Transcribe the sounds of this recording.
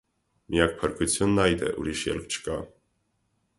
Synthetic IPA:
mʔiak̚ʰpʰɛɾkʰusʰjɔnːajd̪ɛ̰ʔṵɾiʃjɛ̰lkt͡ʃʰkʼa

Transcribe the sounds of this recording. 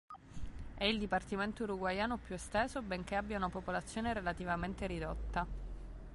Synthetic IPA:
ɛild̪ipart̪iment̪ouɾuɡwajaːnopjuest̪ɛːzobeŋk̟eabːjaunapopolat̪sːjoːneɾelat̪ivament̪eɾid̪ot̪ːa

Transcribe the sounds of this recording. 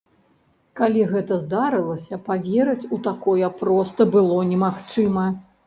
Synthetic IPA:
kalʲiɣɛt̪ɐzd̪aɾɨlˠɐsʲɐpavʲeɾɐt͡sʲut̪akɔjɐpɾɔst̪ɐbɨlˠɔnʲɛmaxt͡ʂɨmɐ

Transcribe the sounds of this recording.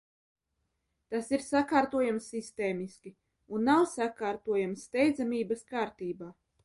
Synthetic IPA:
t̪asiɾsakaːɾt̪uɔjamsːist̪eːmiskʲi | unːawsakaːɾt̪uɔjamsːt̪ɛjd̪zamiːbaskaːɾt̪iːbaː

